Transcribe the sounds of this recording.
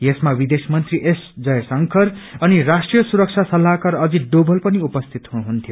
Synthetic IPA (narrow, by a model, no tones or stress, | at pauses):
jesmawid̪esmʌnt̪riʔesd͡zʌjsʌŋkʰʌrʌnirasʈrijʌsuɾʌk̚t͡ʃʰasʌlːakʌɾʌd͡ziɖobʌlpʌniupʌst̪ʰit̪ɦuɦunt̪ʰijo